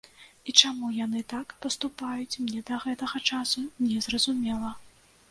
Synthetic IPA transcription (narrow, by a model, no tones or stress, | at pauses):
it͡ʂamujanɨt̪akpɐst̪upajut͡sʲmnʲɛd̪ɐɣɛt̪ɐɣɐt͡ʂasunʲɛzrɐzumʲɛlˠɐ